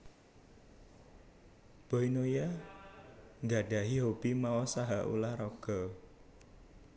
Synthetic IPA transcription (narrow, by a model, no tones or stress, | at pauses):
b̥ɔinoja | ŋɡaɖa̤ɦiɦob̥imaɔsaɦaʔṵlahrɔɡ̥ɔ